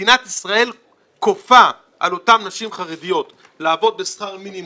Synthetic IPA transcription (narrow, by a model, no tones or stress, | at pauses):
inat̪isʁae̞l | ko̞fa | ʔalo̞tamnaʃimχaʁedijo̞t̪ | laːvo̞d̪̚besχaʁminim